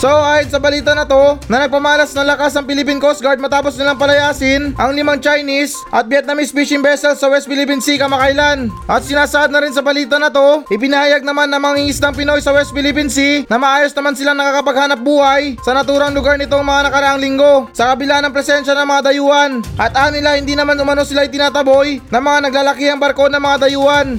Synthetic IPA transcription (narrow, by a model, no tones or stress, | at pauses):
soʔaːjonsɐbɐliːt̪ɐnɐt̪o̞nɐnɐɡ̚pɐmaːlɐsnɐŋlɐkasnɐŋpɪlɪp̬inkost̪̚ɡaɾd̪̚mɐt̪aːposnɪlaŋpɐlɐjaːsɪnʔɐŋlɪmaŋt͡ʃajnis | ʔɐt̪̚bjɛt̪̚nɐmispiʃɪŋbɛsɛlsːɐwɛst̪̚pɪlɪp̬insikɐmɐkajlanʔɐt̪̚sɪnaːsɐʔaːd̪nɐɾɪnsɐbɐliːt̪ɐnɐt̪o̞ʔɪpɪnɐhajaɡ̚nɐmanːɐŋmɐŋiŋɪsaŋpɪno̞jsɐwɛst̪̚pɪlɪpinsinɐmɐʔaːjo̞snɐmansɪlaŋnɐkaːkɐpɐɡ̚haːnɐp̚buːhɐjsɐnɐt̪uːɾɐŋlʊɡaɾnɪt̪o̞ŋmɐŋanɐkɐɾɐʔaŋlɪŋɡo̞sɐkɐbɪlanɐŋpɾɛsɛnʃɐnɐŋmɐŋad̪ɐjuːʔɐnʔɐt̪ʔanːɪlahɪnd̪iːnɐmanʊmɐno̞sɪlaɐjt̪ɪnaːt̪ɐbo̞jnɐŋmɐŋanɐɡ̚laːlɐkiɐŋbɐɾko̞nɐŋmɐŋad̪ɐjuːʔɐn